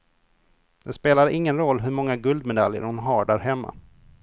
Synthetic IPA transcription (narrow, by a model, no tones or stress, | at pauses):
d̪ɛspeːlad̪əʔɪŋːənɾɔlːɦɵɾmɔŋːaɡɵld̪mɛd̪aljə̰ɾʊnɦɑɖæɾɦɛmːa̰